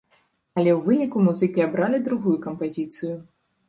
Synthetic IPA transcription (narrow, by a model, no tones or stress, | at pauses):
ɐlʲɛwvɨnʲikumuzɨkʲiabɾalʲid̪ɾuɣujukɐmpazʲit̪sɨju